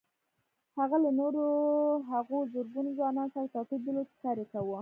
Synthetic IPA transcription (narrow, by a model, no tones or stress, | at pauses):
haɣalanoɾoɦaɣozoɾɡunozwɑnɑnsaɾat̪ɑkib̪̚d̪ɪlod̪saɾekawu